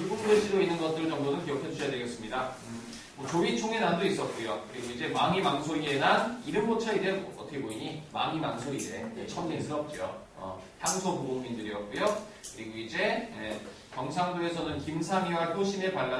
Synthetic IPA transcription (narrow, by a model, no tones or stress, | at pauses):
uɡukpʰeɕʰiɾoinːɯnɡʌt̚t͈ɯɭt͡ɕʌŋdonɯnkijʌkʰed͡ʑuɕʰʌjadeɡes͈ɯmɲida | mwʌt͡ɕoit͡ɕʰoŋenandois͈ʌt̚k͈ujokɯɾiɡoid͡ʑe̞maŋimaŋsʰoienaiɾɯnbot͡ɕʰaideoʌtʰʌkʰeboiɲima̰ŋimaŋsʰoie̞t͡ɕʰʌɲes͈ɯʌp̚t͡ɕ͈io̰ | ʌ̰ | çjaŋsʰopomoŋmindɯɾiʌt̚k͈ujo | kɯɾiɡoid͡ʑe̞e | kjʌŋsʰaŋduɾe̞sʰʌnɯnkimsʰaŋiwatʰoɕʰime̞paɭːa